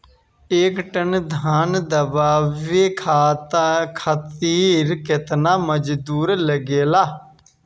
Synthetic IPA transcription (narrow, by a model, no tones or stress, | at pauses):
ɪkʈənd̪ʱaːnd̪əbaːʋeːkʰaːt̪kʰət̪iːɾkɪt̪naːməd͡ʒd̪uːɾləɡeːlaː